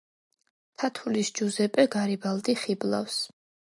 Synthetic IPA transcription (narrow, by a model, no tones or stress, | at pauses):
t̪ʰat̪ʰulisd͡ʒuzɛpʼɛɡaɾibalˠd̪iχiblˠa̰fs